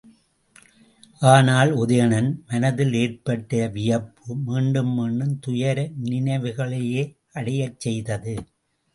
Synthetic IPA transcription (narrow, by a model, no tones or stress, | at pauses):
ʔaːnaːlʊðɐjɐnɐnmɐnɐðɪleːrpɐʈːɐʋɪjɐpːɯmiːɳɖɯmːiːɳɖɯmt̪ʊjɐɾɐnɪnɐɪʋɯɣɐɭɐjeː | ɐɽɐjɐt͡ʃːɛjðɐðɯ